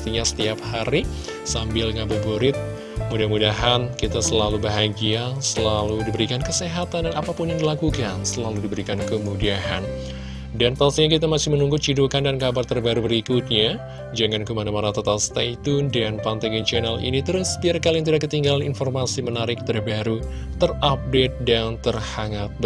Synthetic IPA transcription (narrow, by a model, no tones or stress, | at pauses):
t̪iɲasə̥t̪iap̚haɾi | sambɪlŋabuboɾɪt̪̚ | mudahmudaɦankit̪asəlalubaɦaɡiasəlaludibəɾikankəseɦat̪andanapapʊnjaŋdilakukansəlaludibəɾikankəmudiaɦa̰n | dant̪alsiɲakit̪amasɪhmənuŋɡut͡ʃidukandankabart̪ərbaɾubəɾikut̪̚ɲa | d͡ʒəŋankəmanamanat̪ot̪alst̪ait̪undanpant̪aɡɛd͡ʒənalḭnit̪əɾʊsbiarkalɪŋt̪udahkət̪iŋɡalaninformasimənaɾɪk̚t̪ərbaɾu | t̪ərap̚det̪̚dant̪ərhaŋat̪̚b